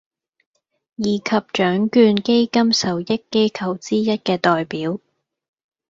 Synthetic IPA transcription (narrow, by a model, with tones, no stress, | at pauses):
jiː˨kʰɐ˨p̚t͡ʃœː˨˥ŋkyː˧nke˥jkɐ˥msɐ˨wjɪ˥kːe˥jkʰɐ˧wt͡siː˥jɐ˥t̚kɛː˧t̪ɔː˨jpiː˨˥w